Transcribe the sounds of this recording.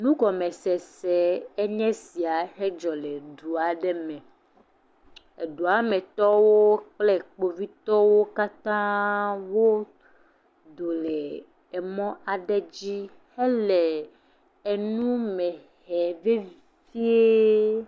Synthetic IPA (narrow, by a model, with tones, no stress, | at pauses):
nũ˦kɔ˨me˨sɛ˨sɛ˨e˦ɲɛ̃˦si˨a˨ɦe˦d͡ʒɔ˨le˨ɖu˨a˨ɖɛ˦mɛ̃˨ | e˨ɖu˨a˨me˨t̪ɔ˦wo˦k͡plɛ˦k͡po˦vi˦t̪ɔ˦wo˦ka˦t̪ã˦wo˦ | d̪o˨lɛ˨ | e˨mɔ̃˦ʔa˨ɖe˦d͡ʑi˦ | he˦lɛ˨ | e˨nũ˦mɛ̃˨ | hɛ˨ve˦ | vi˦e˦